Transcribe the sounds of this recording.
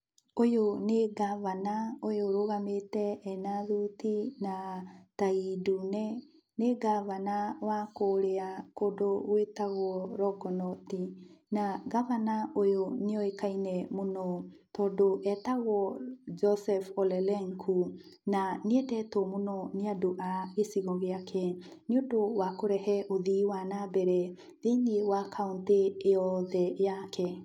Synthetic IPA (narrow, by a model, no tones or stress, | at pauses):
ojoneɡaβanaojoɾoɣametɛɛnaðutinataidunɛ | neɡaβanawakoɾeakodoɣwetaɣɔɾɔɡɔnɔtinaɡaβanaʔojoneɔekainɛmonɔtɔːdoʔɛtaɣɔd͡ʒɔsɛfɔlɛlɛŋkʰu | naneɛtɛtɔmonɔneadoʔaɣesiɣɔɣeakʰɛ | neondowakoɾɛhɛʔoðiːwanabɛɾɛ | ðeŋiwakʰaunteːjɔðɛjakɛ